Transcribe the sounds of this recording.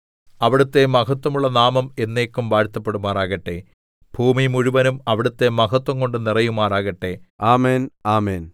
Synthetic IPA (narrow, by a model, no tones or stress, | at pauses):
ɐʋiɽut̪ːe̞mɐkɐt̪ːwɐmuɭːɐnaːmɐme̞nːeːkːumʋaːɻt̪ːɐpːe̞ɽumːaːraːɣɐʈːe̞ | b̥ʱuːmimuɻuʋɐnumɐʋiɽut̪ːe̞mɐkɐt̪wɐŋko̞ɳɖɨnirɐjumaːraːɣɐʈːe̞aːmeːnaːmeːn